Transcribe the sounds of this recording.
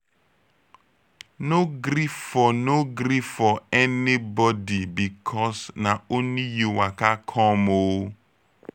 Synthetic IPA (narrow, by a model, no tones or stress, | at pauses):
noɡɾiffɔnoɡɾifffɔɛnibɔdibikʰɔsnaonijuwakakʰɔmow